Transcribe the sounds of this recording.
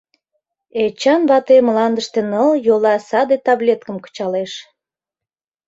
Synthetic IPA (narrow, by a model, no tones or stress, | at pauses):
et͡ɕɑnβɑt̪emlɑnd̪əʃt̪enəljolɑsɑd̪et̪ɑβlʲet̪kəmkə̥t͡ɕɑleʃ